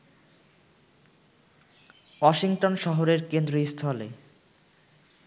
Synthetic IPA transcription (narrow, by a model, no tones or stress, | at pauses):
wɔʃiŋʈonʃɔɦoɾeɾkend̪ɾoist̪ʰɔlḛ